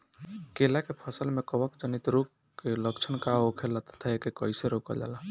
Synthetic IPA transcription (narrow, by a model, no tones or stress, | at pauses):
kelakepʰəsəlmekəbəkd͡ʒənit̪ɾok | kːeləkt͡ʃʰənkaokʰelət̪ə̥t̪ʰaekekəɪseɾokəd͡ʒa̰la